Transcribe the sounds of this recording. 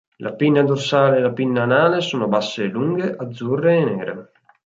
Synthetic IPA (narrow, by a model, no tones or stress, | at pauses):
lʔapinːad̪osaːleːlapinːaːnaːlesoːnobasːeluŋɡeʔad̪zːurːeːneːɾḛ